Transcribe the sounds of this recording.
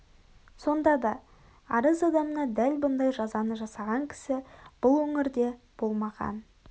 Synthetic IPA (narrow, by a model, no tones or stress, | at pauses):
so̞nd̪ɑd̪ɑ | ɑɾəzɑd̪ɑmənɑd̪ælbʊnd̪ɑjʒɑzɑnəʒɑsɑʁɑŋkʲʰɪ̥sɪb̥ʊlˠwɵŋɪɾd̪e̞ | b̥o̞lˠmɑʁɑ̰n